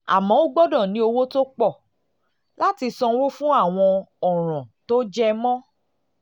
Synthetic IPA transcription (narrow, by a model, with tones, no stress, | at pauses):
a̰˨mɔ̃˨˦o˦ɡ͡bɔ˦dɔ̃˦˨nĩ˨˦o˧wo˦to˦k͡pɔ˦˨ | la˦ti˧sɔ̃˧wo˦fũ˦a˦˨w̃ɔ̃˧ɔ˨ɾ̃ɔ̃˨to˦d͡ʒɛ˦˧mɔ̃˦